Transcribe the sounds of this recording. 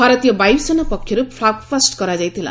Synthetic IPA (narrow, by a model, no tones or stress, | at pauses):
bʱaɾʌt̪ijʌbajbsʌnʌpʌkʰːeɾupʰlakfasʈkʌɾad͡zajt̪ʰela̰